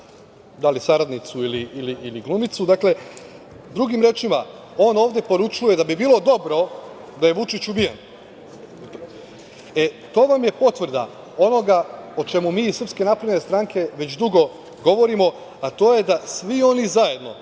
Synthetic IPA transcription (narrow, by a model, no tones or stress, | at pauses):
d̪alisaɾad̪nit̪suiliʔiliiliɡlˠumit̪sud̪akle̞ | d̪ɾuɡimɾe̞ːt͡ʃima | o̞ːno̞ːʋd̪e̞po̞ɾut͡ʃuje̞d̪abibiːlˠo̞d̪o̞bɾo̞ | d̪aje̞ʋut͡ʃit͡ɕubijḛn | et̪o̞ːʋamje̞po̞t̪ʋr̩d̪a̰ | o̞no̞ɡao̞t͡ʃe̞mumiːisr̩pske̞napɾed̪nest̪ɾaŋkʰe̞ʋe̞t͡ɕd̪uɡo̞ | ɡo̞ʋo̞ɾimo̞ | at̪o̞ːje̞d̪asʋio̞nizaje̞d̪no̞̰